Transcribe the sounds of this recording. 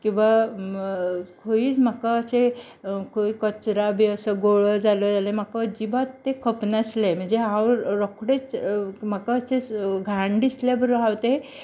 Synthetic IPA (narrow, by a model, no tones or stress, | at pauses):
kĩw̃ʋa | kʰoiːt͡sm̤akaəse | kʰoikət͡sɾabʱiəsəɡoɭɔd͡zalɔd͡zalem̤akəd͡ʑiʋat̪ːekʰəpnaslem̤əɳd͡zeɦãwɾɾɔkɽet͡sm̤akaːseɡʱaɳɖislebəɾəɦawt̪e